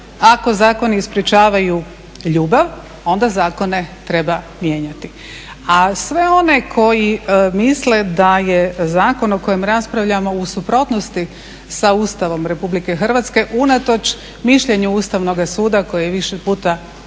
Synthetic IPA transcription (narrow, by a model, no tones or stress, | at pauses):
ako̞zaːko̞niːspɾjiet͡ʃaːʋaju | ʎuːbaʋ | o̞nd̪azaːko̞ne̞t̪ɾe̞ba | mje̞ːɲat̪i | asʋe̞o̞ne̞kʰo̞jimisle̞d̪ajezaːko̞noko̞jemɾaspɾaʋʎamo̞usupɾo̞t̪nost̪i | sauːst̪aʋo̞mɾe̞publike̞xr̩ʋat̪ske̞ʔunat̪o̞t͡ʃ | miʃʎe̞ɲuust̪aʋno̞ɡasuːd̪ako̞jejeʋiʃepuːt̪a